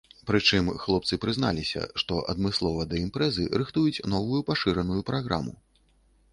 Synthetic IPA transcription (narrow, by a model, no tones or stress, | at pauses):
pɾɨt͡ʂɨmxlˠɔp̚t̪sɨpɾɨzna̰lʲisʲɐ̰ʂt̪ɔʔɐ̰d̪mɨslˠɔvɐd̪ɐimpɾɛzɨ̰ɾɨxt̪ujut͡sʲnɔvujupaʂɨɾɐnujupɾaɣɾa̰mṵ